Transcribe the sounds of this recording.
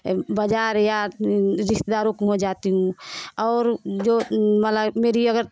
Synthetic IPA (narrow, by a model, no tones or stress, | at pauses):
bəd͡ʒaːɾjaɾɪʃt̪ed̪aːɾõkɦod͡ʒaːt̪iɦũɔːɾd͡ʒomələɡmeːɾiəɡəɾ